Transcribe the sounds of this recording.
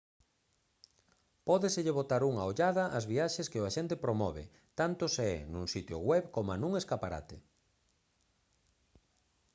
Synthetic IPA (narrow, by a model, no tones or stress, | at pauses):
pɔðesɪʎeβot̪aɾuŋaoʎaðɐʔazβiaʃeskɪʊaʃent̪ɪpɾomɔβḛ | t̪ant̪ʊseɛ̰nũŋsit̪jo̰ɣwɛβkomanũŋeskapaɾa̰t̪e